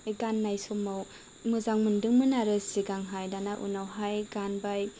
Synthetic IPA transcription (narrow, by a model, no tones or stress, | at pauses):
eɡanːajsɔmaw | mɯzaŋmɯndɯŋmɯnaɾɯsiɡaŋɦajdanaʔṵnawɦajɡanbaj